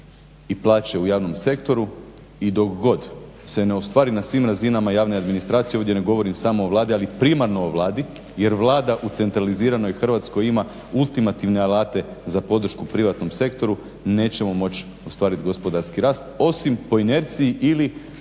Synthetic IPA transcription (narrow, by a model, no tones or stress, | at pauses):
iplˠaːt͡ɕeujaːʋno̞mse̞kt̪o̞ɾu | id̪o̞kɡo̞d̪ | se̞ne̞ost̪ʋaːɾinasʋiːmɾazinamajaːʋnead̪minist̪ɾaːt̪sijeo̞ʋd̪ʲje̞ne̞ɡo̞ʋo̞ɾimsamo̞ːʋlˠaːd̪ialipɾimaɾno̞ːʋlˠaːd̪i | je̞ɾʋlˠaːd̪aʔut̪se̞nt̪ɾaliziːɾano̞jxr̩ʋat̪sko̞jima | ulˠt̪imat̪iʋne̞alˠaːt̪e̞zapo̞d̪r̩ʃkupɾiʋat̪no̞mse̞kt̪o̞ɾu | ne̞ːt͡ɕe̞mo̞mo̞t͡ɕ | ost̪ʋaːɾit̪ɡo̞spo̞d̪aɾskiɾaːst̪o̞simpo̞ine̞ɾt̪sijiʔili